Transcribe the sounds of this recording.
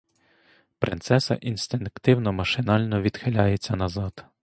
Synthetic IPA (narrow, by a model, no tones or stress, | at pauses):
pɾʔɪ̰nt̪sɛsɐ̰ʔinst̪ɪnkt̪ɪwnɔmɐʃɪnɑlʲnɔʋʲid̪̥xelʲajet͡sʲːɐnɐzɑd̪̥